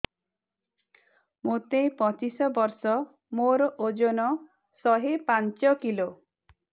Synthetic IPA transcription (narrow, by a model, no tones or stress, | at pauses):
mot̪ẽpɔt͡ʃisɔbɔɾsɔ | moɾɔʔod͡ʒonɔ | sɔɦepant͡ʃɔkilo